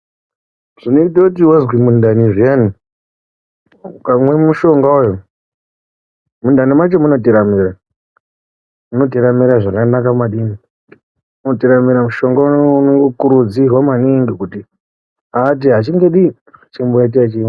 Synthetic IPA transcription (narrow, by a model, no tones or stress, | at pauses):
ʐ̥inoitautiwazwimundaniʐijani | kamwemuʃo̞ŋɡaujo | mundanimat͡ʃemuno̞tiɾamiɾa | muno̞t̬iɾamiɾaʐakanakamaɗini | notiɾamiɾamuʃo̞ŋɡauunoŋɡokuɾud͡zirwamaniŋɡikuti | aːt̬iɦat͡ʃiŋɡe̞ɗi | t͡ʃimbojat̬iat͡ʃiːa